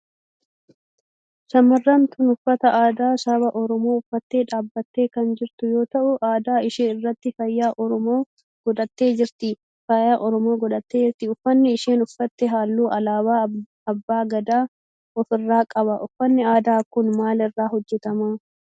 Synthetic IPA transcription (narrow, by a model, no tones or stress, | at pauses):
sɐmɐrːɐnt̪ʊnʊfːɐt̪ɐʔaːd̪aːsɐbɐʔɔɾɔmo̞ːʊfːɐt̪ːe̞ːᶑaːbːɐt̪ːe̞ːkɐnd͡ʒɪɾt̪ʊjo̞ːt̪ɐʔʊʔaːd̪aːɪʃeːnɪrːɐt̪ːɪfɐjːaːʔɔɾɔmoː | ɡ̥ɔᶑ̪ɐt̪ːe̞ːd͡ʒɪɾt̪ɪ | fɐjaːʔɔɾɔmo̞ːɡɔᶑ̪ɐt̪ːe̞ːd͡ʒɪɾt̪ɪʊfːɐnːɛɪʃeːnʊfːɐt̪ːɛɦaːlːuːʔɐlaːβaː | ɐbːaːɡɐd̪aː | ɔfɪrːaːkʼɐβɐʔʊfːɐnːɛaːd̪aːkʊnmaːlɪrːaːɦɔd͡ʒːɛt̪ɐmaː